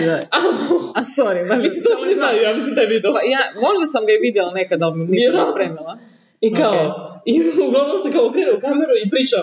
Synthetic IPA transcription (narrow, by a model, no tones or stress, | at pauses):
aaasoɾimaʒit̪osniznajujamislimd̪ajeʋid̪ɛajamo̞ʒd̪asamɡaiʋid̪jɛlˠanekad̪almmniʃad̪aspɾeːmilˠa | ikaoiuɡlˠaʋnomsekaokɾineukameɾuipɾit͡ʃa